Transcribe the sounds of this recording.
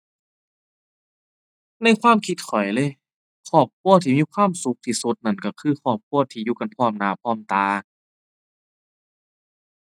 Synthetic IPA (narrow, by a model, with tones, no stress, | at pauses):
na˧˥˩jkʰwaː˧˥˨mkʰi˧˦t̪̚kʰɔ˨˩jlɤː˧˩˨j | kʰɔː˧˩p̚kʰu˧˩˨ɐt̪ʰiː˧˩miː˧˥˨kʰwaː˧˥˨msu˧˦k̚t̪ʰiː˧˩su˧˦t̪̚na˧˩nka˧˩kʰɯː˧˩xʰɔː˧˩p̚kʰu˧˥˨ɐt̪ʰiː˧juː˧˩ka˧˦npʰɔː˧˩mnaː˨˧˦pʰɔː˧˥˩mt̪aː˧